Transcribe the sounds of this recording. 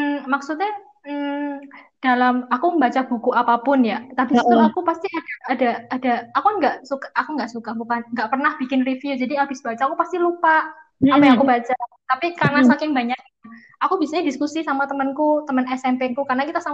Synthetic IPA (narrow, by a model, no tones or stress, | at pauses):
mmaksut̪̚ɲa | mə | d̥alamakuəmbat͡ʃabukuʔapapʊnjat̪apisət̪əlaakupast̪iad̥aːdaadaakuanŋɡaʔsukaakuŋɡaʔsukabukanŋɡaʔpərnahb̥ikɪnrifjud͡ʒadiaubisbat͡ʃaakupast̪ilupaapajaŋkubat͡ʃat̪apikarnasakɪŋbaɲak̚ɲa | akubiasaɲadiskusisamat̪əmənkut̪əmənɛsɛmpekukarnakit̪asa